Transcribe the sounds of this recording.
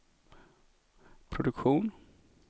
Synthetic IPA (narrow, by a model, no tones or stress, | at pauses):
pʰɾʊd̪ɵkɧuːn